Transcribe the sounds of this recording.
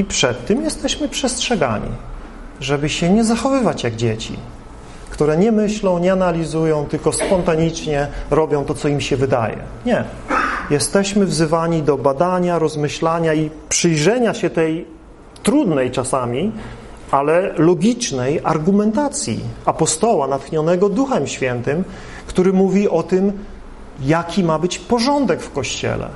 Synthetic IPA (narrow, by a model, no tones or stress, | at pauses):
ipʂɛt̪ːɘmjɛst̪ɛɕmɘpʂɛstʂɛɡa̰ɲḭ | ʐɛbɘɕɛɲɛzaxɔvɘvat͡ɕjaɡd͡ʑet͡ɕḭ | kt̪uɾɛɲɛmɘɕlɔ̃w̃ɲɛanalʲizujɔ̃w̃t̪ɘlkɔspɔnt̪aɲit͡ʂɲɛɾɔbʲjɔ̃w̃t̪ɔt̪sɔimɕɛvɘd̪a̰jɛ̰ | ɲɛ | jɛst̪ɛɕmɘvzɘvaɲid̪ɔbad̪aɲaɾɔzmɘɕlaɲaipʂɘjʐɛɲaɕɛt̪ɛj | t̪ɾud̪nɛjt͡ʂasamʲi | alɛlɔɡʲit͡ʂnɛjaɾɡumɛnt̪at̪sʲjḭapɔst̪ɔwanat̪xɲɔnɛɡɔd̪uxɛmɕfʲjɛnt̪ɘm | kt̪uɾɘmuvʲiʔɔt̪ɘm | jakʲimabɘt͡ɕpɔʐɔnd̪ɛkfkɔɕt͡ɕɛ̰lɛ̰